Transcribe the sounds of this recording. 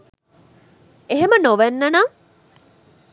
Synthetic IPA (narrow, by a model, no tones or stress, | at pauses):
eɦemənoʋænːɐnaː